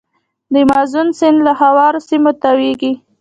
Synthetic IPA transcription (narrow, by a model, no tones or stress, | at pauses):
d̪əmɑzunsɪnd̪lahawɑɾosimot̪aweɡi